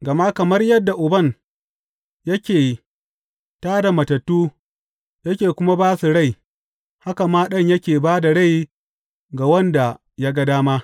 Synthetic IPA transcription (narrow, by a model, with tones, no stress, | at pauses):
ɡɐ˨ma˦kɐ˨mɐ˦rjɐ˦dːa˨ʔʊ˨bɐ˦˨n | jɐ˦kʲeː˨ | taː˦da˨mɐ˨tɐ˨tːuː˦ | jɐ˦kʲeː˨kʷʊ˦ma˦baː˦su˨ɽa˦˨j | ha˦ka˨maː˦ɗɐ˦ɲjɐ˦kʲeː˨baː˦da˨ɽa˦˨j | ɡa˨wɐ˦nda˨ | ja˦ɡɐ˦daː˦ma˦